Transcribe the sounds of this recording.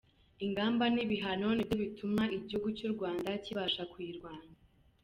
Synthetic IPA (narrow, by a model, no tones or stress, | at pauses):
iŋɡaːmbaniβiɦano̞niboβitʰumaʔiɟihuɡucuːɾɡwaːndaciβaːʃakwiɾɡwaːnda